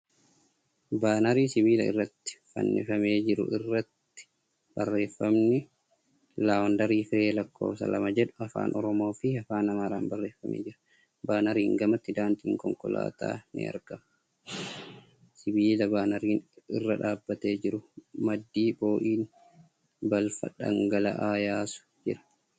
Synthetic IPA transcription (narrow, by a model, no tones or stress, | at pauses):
baːnɐɾiːsɪβiːlɐɪ̰rːɐt̪ːɪ̥fɐ̰nːɪ̰fɐme̞ːd͡ʒɪɾʊ̰ʔɪrːɐt̪ːɪ̥ | b̥ɐrːe̞ːfːɐmnɪ | laːwɔnd̪ɐɾiːfɪɾe̞ːlɐkʰːo̰ːfsɐ̰lɐ̰mɐd͡ʒɛᶑʊ̥ɐfa̰ːnʔɔɾɔmo̞ːfɪɐfaːnɐmaːɾaːmbɐrːe̞ːfːɐmʔḛːd͡ʒɪɾɐ | baːnɐɾiːŋɡɐmɐt̪ːɪd̪aːnt̪iːŋkɔŋkɔla̰ːt̪a̰ːnɪ̰ɐ̰ɾɡɐmɐ | sɪbiːlɐbaːnɐɾiːnɪ̰rːɐᶑaːbːɐt̪e̞ːd͡ʒɪɾʊmɐd̪ːiːboːʔiːn | bɐlfɐ̰ᶑɐ̰ŋɡɐlɐ̰ʔaːjaːsʊ̥d͡ʒɪɾɐ̥